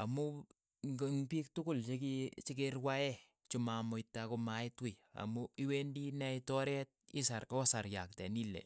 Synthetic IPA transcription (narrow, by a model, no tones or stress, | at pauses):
amu | ŋɡŋpik̚tʊkult͡ʃekit͡ʃik̬erwaɛ | t͡ʃumamoitːakomaɪtwia̰muiwendinɛitɔɾɛt̚isaɾkɔsaɾjak̚tɛnilɛ̰